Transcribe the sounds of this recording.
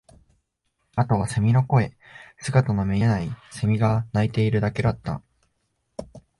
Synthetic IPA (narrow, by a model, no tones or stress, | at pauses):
at̪o̞βase̞mʲino̞ko̞e̞ | sɨɡat̪anome̞naise̞mʲiɡanait̪e̞iɾɯ̟d̪ake̞d̪at̪ːã̰